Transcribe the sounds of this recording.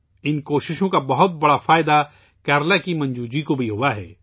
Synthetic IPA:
ɪnkoːʃɪʃõkabɐɦʊt̪̚bɐɽafaːɪd̪a | kɛːɾlakimɐ̃nd͡ʒuːd͡ʒikobʱiɦʊaɦɛ̰ː

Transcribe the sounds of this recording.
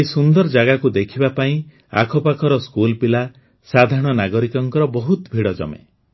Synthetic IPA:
esund̪ɔɾd͡ʒaɡakud̪ekʰibapaĩ | a̰kʰɔpakʰɔɾɔskulpila | sad̪ʱaɔɽ̃ɔnaɡɔɾikɔŋkɔɾɔbɔɦut̪bʱiɽɔd͡ʒɔ̰mḛ

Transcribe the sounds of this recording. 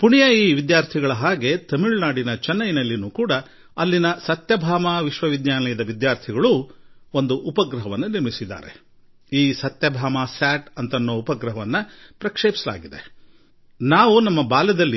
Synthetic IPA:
puɳijɐiːʋid̪jaːɾt̪ʰiɡɐɭɐɦaːɡe̞t̪ɐmiɭnaːɽinɐt͡ʃɛnːɐjinɐlːinuːkuːɽɐ | ɐlːinɐsɐt̪jɐbʱaːmaːʋiʃʋɐʋid̪ɲaːlɐjɐd̪ɐʋid̪jaːɾt̪ʰiɡɐɭuond̪uʔupɐɡɾɐɦɐʋɐnːɐniɾmisid̪ːa̰ːɾe̞̰ | iːsɐt̪jɐbʱaːmaːsaːʈɐnt̪ɐnːoːupɐɡɾɐɦɐʋɐnːɐpɾɐkʂeːpi̥sɐla̰ːɡid̪e | naːʋunɐmːɐbaːlɛd̪ɐlːi

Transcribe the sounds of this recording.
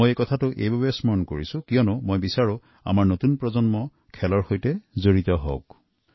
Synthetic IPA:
ojekɔtʰatʊʔḛjbabɔjsmɔɹɔnko̰ɹisʊ̃kijɔnʊmojbisaɹʊ | a̰maɹnotunpɹɔzɔnmɔ | kʰɛlɔɹxojtɛzoɹit̪ɔɦo̰k̚

